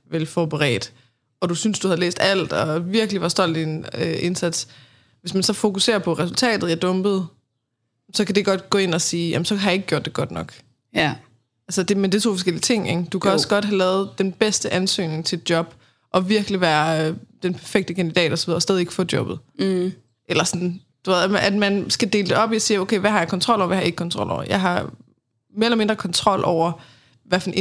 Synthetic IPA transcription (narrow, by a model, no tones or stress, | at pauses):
ʋelfɒb̥əʁɛ̰ːd̥ | ɒ̽d̥usynsd̥uhæðlḛːsd̥æl̰d̥ɒʋiɐɡ̥liʋɑsd̥ɒ̽l̰d̥d̥ine̝nsæd̥s | ʋesmænsɒ̽fo̝kuse̝̰ːɐpʰɒ̽ʁɛsult͡sʰɛ̰ːd̥ð̩ˠiæɐd̥ɔ̽mb̥ð̞̩ˠ | sɒ̽kæde̝ɡ̥ɒ̽d̥ɡ̥ɔ̽ːe̝n̰ɒ̽siːjæ̰m̩sɒ̽kʰhɑjɑ̈e̝ɡ̥ɡjo̝̰d̥eɡ̥ɒ̽d̥nɒ̽ɡ̥ | ʔælsəd̥e̝mend̥it͡sʰo̝̰ːfɒsɡ̥el̰iət͡sʰe̝ŋ̰eɡ̥d̥ukʰæɒ̽ssɡ̥ɒ̽d̥ɦælɛːð̞̩ˠd̥enb̥esd̥əʔænsø̰ːne̝ŋt͡sʰe̝d̥̚jɒ̽b̥ | ʔɒ̽ʋiɐɡ̥liʋæːɐød̥enpʰæɐfeɡ̥̚d̥əkʰænd̥id̥ɛ̰ːd̥ɒsɒ̽ʋiðˠɒsdɛːðˠie̝ɡ̥fɔdjɒ̽b̥ð̞̩ˠ | ʔelɐsɒ̽n | d̥uʋe̝ðˠmæd̥mænsɡ̥æd̥e̝ːləd̥e̝ɒ̽b̥iɒsiːoʊkʰeɪʋæhɑ̈jɑ̈kɒ̽nt͡sʰʁɒ̽l̰ɒ̰ʊ̰ʋiæhɑje̝ɡ̥kʰɒ̽nt͡sʰʁɒ̽l̰ʔɒ̰ʊɐ̰jɑ̈ɪɦɑ̈ | me̝ɐelɐme̝nd̥ʁɐkʰɒ̽nt͡sʰʁɒ̽l̰ʔɒʊ̰ɐ | ʋæɐfn